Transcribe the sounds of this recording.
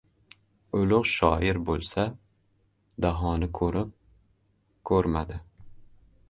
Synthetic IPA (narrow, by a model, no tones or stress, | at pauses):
ʊlʊqʃɒjɪɾbolˠsa | d̪aɦɒnɪkʰɵɾɪp̚ | kʰɵɾmad̪ɪ